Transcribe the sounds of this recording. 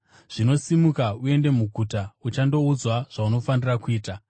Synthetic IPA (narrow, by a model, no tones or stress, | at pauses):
ʐ̥ino̞simukaue̞nde̞muɡʱutaut͡ʃando̞ud͡zwaʐ̥auno̞fanirakuiːta